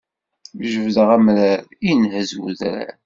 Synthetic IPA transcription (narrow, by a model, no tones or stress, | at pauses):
mʒəvðəʁæmɾæɾinhəzwṵðɾæ̰